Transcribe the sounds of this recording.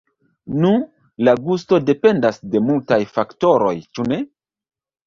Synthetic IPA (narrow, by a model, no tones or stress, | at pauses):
nu | laɡusto̞de̞pe̞ndasde̞multajfakto̞ɾo̞̰jt͡ʃune̞